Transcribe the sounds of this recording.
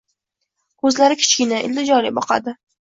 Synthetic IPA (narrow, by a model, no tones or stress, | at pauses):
kʰɵzlaɾɪkʲʰɪ̥t͡ʃkʲɪnaʔɪ̰ld̪ɪd͡ʒɒlɪbɒqɑ̰d̪ɪ